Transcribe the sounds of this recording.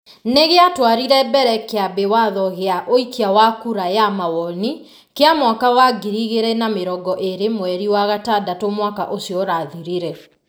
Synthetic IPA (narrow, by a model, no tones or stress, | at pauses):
neɣeatwaɾiɾɛbɛɾɛkeabewaðɔɣeaʔoikiawakuɾajamawɔni | keamwakawaɡiɾiɣeɾɛnameɾɔɡɔʔeɾemoɛɾiwaɣatadatomwaka̰ʔosiɔɾaðiɾiɾɛ